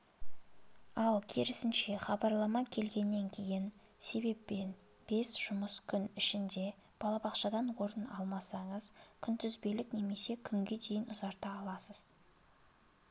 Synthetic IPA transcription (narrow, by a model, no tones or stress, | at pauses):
ɑlˠkʲʰeɾɪsɪnʃe̞χɑbɑɾlˠɑmɑkʲʰe̞lɡʲe̞nːe̞ŋkʲʰe̞jɪn | se̞be̞pːe̞n | b̥e̞sʒ̥ʊməskʲʰʏnɪʃɪnd̪e̞ | b̥ɑlˠɑbɑqʃɑd̪ɑnwo̞ɾənɑlˠmɑsɑɴəzkʲʰʏnt̪ʏzbe̞lɪkne̞me̞se̞kʲʰʏŋɡʲe̞d̪e̞jɪnʊzɑɾt̪ɑːlˠɑsəz̥